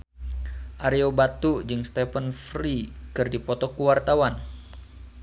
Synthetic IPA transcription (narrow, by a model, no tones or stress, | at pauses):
ʔaɾeobat̪ud͡ʒɨŋst̪ɛpənfɾikɨrdipɔt̪ɔkuwart̪awan